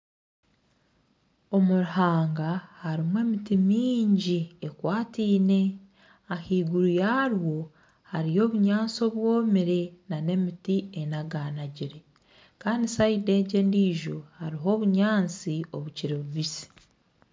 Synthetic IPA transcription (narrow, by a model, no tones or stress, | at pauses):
o̞muɾuhaːŋɡahaɾimwe̞ːmitimiːɲɟiekwaːtiːne̞ | ahiːɡuɾujaːɾwo̞ | haɾijo̞ːβuɲaːnt͡so̞βwo̞ːmiɾe̞nane̞mitienaɡaːnaɟiɾe̞ | kaːndisaide̞ɟe̞ːndiːʒo̞haɾiɦo̞βuɲaːnt͡sioβuciɾeβuβisi̥